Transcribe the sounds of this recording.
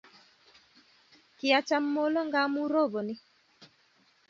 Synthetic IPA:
kɪ˨a˨t͡ʃa˦mːo˦lɔ˦ŋɡa˦mu˦ɾo˦˨bɔ˨nɪ˦

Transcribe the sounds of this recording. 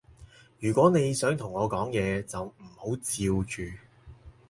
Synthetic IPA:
jyː˨˩kʷɔː˨˥ne˨˧jsœː˨˥ŋt̪ʰʊ˨˩ŋːɔː˨˧kɔː˨˥ŋjɛː˨˧t͡sɐ˨wm̩˨˩ho˨˥wt͡siː˧wt͡ʃyː˨˧

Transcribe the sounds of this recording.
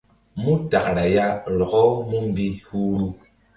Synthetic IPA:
mu˦ta˨kɾa˨ja˦ɾɔ˨kɔ˦mu˦m˦bi˦hu˦ɾu˦

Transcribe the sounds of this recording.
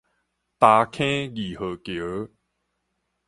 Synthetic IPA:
t̪a˧kʰẽ˦ɣi˨˩hə˨˩kjə˨˦

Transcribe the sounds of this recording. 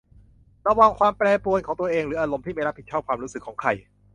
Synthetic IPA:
ɾa˧waː˧ŋkʰwaː˧mpɾɛː˧pu˧ənkʰɔː˩˦ŋt̪u˧ɐʔeː˧ŋɾɯː˩˦ʔaː˧ɾo˧mt̪iː˥˩ma˥jɾa˦˥pʰi˨˩t̪̚ʰɔː˥˩kʰwaː˧mɾuː˦˥sɯ˨˩kʰːɔː˩˦ŋkʰa˧j

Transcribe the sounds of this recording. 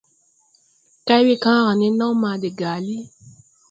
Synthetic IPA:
ka˦i˦wi˦˨kã˦ɾ̃ã˨nĩ˧˦nãː˦mãː˧de˨ɡa˨˦li˦

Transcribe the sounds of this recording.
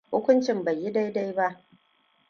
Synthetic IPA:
hʊ˦kʷʊ˦nt͡ʃɪ˨mba˨jːi˦da˦jda˦jba˦ʔ

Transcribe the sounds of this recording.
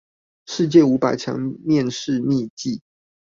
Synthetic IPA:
ʂɻ̩˥˧t͡ɕjɛ˥˩u˧˥pa˨˩ɪt͡ɕʰjɑ̰˧˥˦ŋmjɛ˥˧nʂɻ̩˥˧ni˥˧t͡ɕi˥˩

